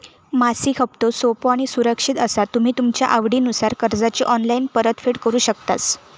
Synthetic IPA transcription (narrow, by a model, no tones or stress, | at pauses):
masiːkʰəp̚t̪osopoaɽ̃isuɾəkʂit̪əsat̪um̤iːt̪umt͡ɕja̰ʔaʋɽiːnusaɾkəɾd͡zat͡ɕiːʔɔnlainpəɾət̪feɽkəɾuːɕək̚t̪at͡s